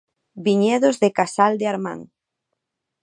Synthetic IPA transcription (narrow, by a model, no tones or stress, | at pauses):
biɲɛðozðɪkasald̪eaɾmã̰ŋ